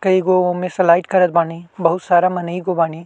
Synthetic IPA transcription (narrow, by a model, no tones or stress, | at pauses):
kɐiɡoːomẽsɐlaːɪʈkɐɾət̪̚baːnibɐɦʊt̪saːɾamɐnəiɡoːbaːni